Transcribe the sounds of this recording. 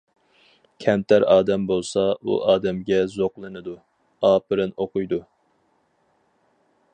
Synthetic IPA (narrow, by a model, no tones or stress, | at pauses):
kʲʰɛmt̪ʰæɾɑːd̪ɛmbolˠsɑṵʔɑːd̪ɛmɡʲɛzoqlˠɨnɨd̪u | ɑːpɨɾɨnoqʊjd̪u